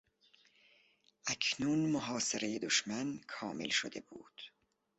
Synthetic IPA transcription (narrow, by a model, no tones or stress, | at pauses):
ʔækʰnuːnmoɦɒːseɾejed̪oʃmænkʰɒːme̞̰lʃod̪e̞buːd̪̥